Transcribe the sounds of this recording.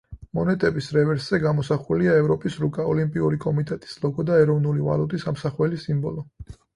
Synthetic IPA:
mɔnɛt̪ʼɛbisɾɛvɛɾszɛɡamɔsaχuliaɛvɾɔpʼisɾukʼaɔlimpʼiuɾikʼɔmit̪ʼɛt̪ʼi̥slˠɔɡɔd̪aɛɾɔvnuliva̰lut̪ʼisamsaχwɛlisimbɔlɔ

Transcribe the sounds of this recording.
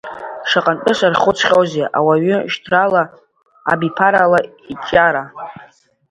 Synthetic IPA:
ʂaqʼantʼɨʂʷarχʊt͡sʷʰχʲowzeʔawaɥʏʃtʰrala̰ː | bipʰaɾala | it͡ʃʼaɾa

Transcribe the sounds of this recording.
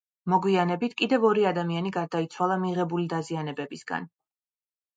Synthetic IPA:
mɔɡwianɛbit̪ʰkʼid̪ɛvɔɾiad̪amianiɡaɾd̪ait̪sʰwalˠamiʁɛbulid̪azianɛbɛbisɡa̰n

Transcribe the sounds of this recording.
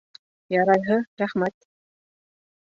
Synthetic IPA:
jɑɾɑjɦɤɾæχmæt̪̚

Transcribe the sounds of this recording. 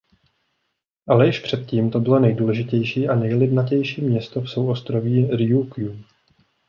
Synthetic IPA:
ʔalɛjɪʃpr̥ɛt̪̚ciːmt̪o̞bɪlo̞nɛjduːlɛʒɪcɛjʃiːʔanɛjlɪbnacɛjʃiːmɲɛst̪o̞fso̞wʔost̪ɾo̞viːɾɪjukju

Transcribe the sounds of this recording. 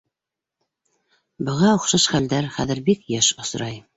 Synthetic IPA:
bɤ̆ʁɑŏχʃɑʃχæld̪æɾχæðɘ̆ɾbikjæʃŏs̆ɾʔɑj

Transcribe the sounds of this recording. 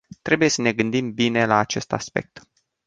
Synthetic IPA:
t̪ɾe̞buje̞səne̞ɡɨnd̪imbine̞laːt͡ʃe̞st̪a̰spe̞̰k̚t̪

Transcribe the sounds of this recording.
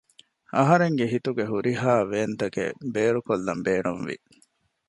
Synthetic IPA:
ɐɦɐɾeŋɡeɦit̪uɡeɦuɾiɦaːʋeːnt̪ɐkḛbeːɾukolːɐ̰mbeːɳunʋḭ

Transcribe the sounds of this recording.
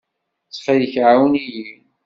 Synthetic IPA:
t͡sːχæjəçʕawniji

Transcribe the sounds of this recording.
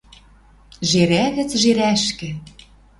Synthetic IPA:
ʒeɾæɣɘ̆t͡sʒeɾæʃkɘ̆

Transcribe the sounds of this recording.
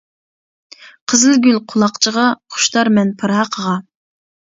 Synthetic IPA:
qʰəzɨlɡʲylqʰʊlˠɑqt͡ʃʰəʁɑχʊ̥ʃt̪ɑɾmɛnpʰɨɾɑqʰəʁɑ

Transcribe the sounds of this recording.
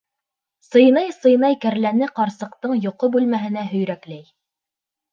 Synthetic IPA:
sɤ̆jnɑjsɤ̆jnɑjkæɾlænɘqɑɾsɤ̆q̚t̪ɤɴjŏqobʉlmæɦɘ̆næɦɵ̆jɾæklæj

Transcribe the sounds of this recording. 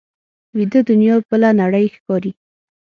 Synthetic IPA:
wid̪əd̪ʊnjɑbəlanaɽəjxkɑɾi

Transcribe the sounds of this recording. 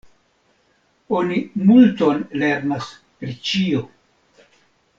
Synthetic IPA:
onimulto̞nle̞ɾnas | pɾit͡ʃio

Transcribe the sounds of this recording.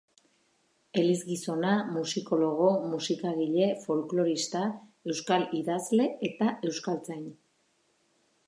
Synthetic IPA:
e̞lizɣiso̞namusiko̞lo̞ɣ̞o̞musikaɣiʎe̞fo̞lklo̞ɾist̪ae̞wskaliðazle̞et̪ae̞wskalt͡saɲ

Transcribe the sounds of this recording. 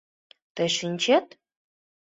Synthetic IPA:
t̪ɘ̆ʃinʲt͡ɕet̪

